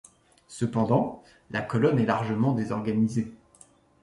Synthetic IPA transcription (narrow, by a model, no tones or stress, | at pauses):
səpɑ̃d̪ɑ̃ | lakɔlɔnɛlaʁʒəmɑ̃d̪ezɔʁɡanize